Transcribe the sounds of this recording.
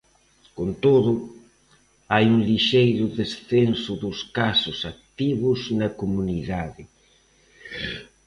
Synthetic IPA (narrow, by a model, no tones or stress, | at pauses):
kont̪oðʊ | ajuŋliʃejɾʊðesθensʊðʊskasʊsak̚t̪iβʊznɐkomuniðaðɪ